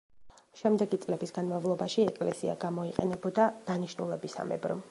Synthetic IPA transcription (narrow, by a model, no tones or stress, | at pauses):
ʃɛmd̪ɛɡit̪sʼlɛbisɡanmavlˠɔbaʃiɛkʼlɛsia̰ɡamɔiqʼɛnɛbɔd̪ad̪̥aniʃnulɛbisa̰mɛ̰bɾɔ̰